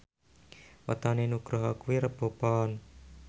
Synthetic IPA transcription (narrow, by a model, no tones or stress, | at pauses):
wa̰t̪anenuɡɾoɦɔkuwiɾəb̥opɔn